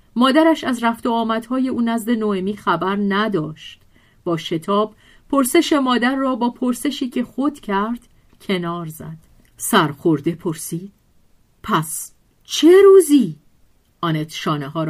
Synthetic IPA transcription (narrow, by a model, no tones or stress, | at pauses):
mɒːd̪æɾæʃæzɾæft̪oɒːmæd̪̥hɒːje̞uːnæzd̪e̞noemiːxæbæɾnæd̪ɒːʃt̪ | b̥ɒːʃe̞t̪ʰɒːb̥ | pʰːo̞ɾse̞ʃe̞mɒːd̪æɾːɒːbɒːpʰo̞ɾse̞ʃiːcʰe̞xod̪̥cʰæɾd̪̥ | cʲʰe̞nɒːɾzæ̰d̪̥ | sæɾxo̞ɾd̪e̞pʰo̞ɾsiːd̪̥ | pʰæs | t͡ʃʰe̞ɾuːziː | ʔɒːnet̪ʃɒːneɦɒːɾ